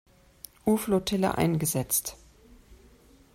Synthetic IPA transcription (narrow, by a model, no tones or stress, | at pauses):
ʔuːflotʰɛlə̰ʔa̰ɪnɡəzɛt͡st